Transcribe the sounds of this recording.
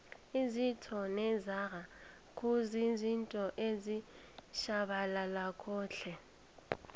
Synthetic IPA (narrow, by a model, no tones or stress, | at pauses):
izitʰɔnɛzara | kʰʼuzizintʼɔʔezi | ʃaɓalalakʰɔːɬʰɛ